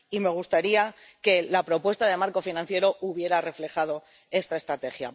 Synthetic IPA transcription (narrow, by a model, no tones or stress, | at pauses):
ime̞ɣ̞ust̪aɾia | ke̞lapɾo̞pwe̞st̪aðe̞maɾko̞finãn̟θje̞ɾo̞ʔuβje̞ɾare̞fle̞xað̞o̞ | e̞st̪ae̞st̪ɾat̪e̞xja̰